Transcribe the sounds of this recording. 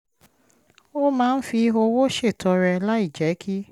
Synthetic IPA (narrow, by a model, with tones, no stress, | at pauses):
o˦mãː˦˧n̩˦fi˧o˧wo˦ʃe˦˨tɔ˧ɾɛ˧la˦i˦˨d͡ʒɛ˨˦kʰi˦